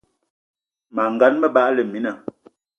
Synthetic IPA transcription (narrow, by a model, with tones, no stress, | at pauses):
ma˨ŋ̩˨ɡa˨˦nmə˦ba˦ʔlə˨mi˨˦na˨